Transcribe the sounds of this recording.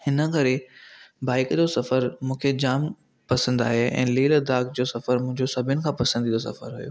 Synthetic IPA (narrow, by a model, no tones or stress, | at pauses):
hɪnə̆kɐɾebaːɪkd͡ʑoːsɐfəɾmũːkʰed͡ʑaːm | pɐsə̃nd̪aːɦeʔɛ̰̃ːleːld̪aːkd͡ʑoːsɐfəɾmʊ̃ɦɪ̃ɲd͡ʑosɐbʱɪnɪ̆kʰãːpɐsə̃nd̪ʱid̪osɐ̰fə̰ɾɦṵjo̰ː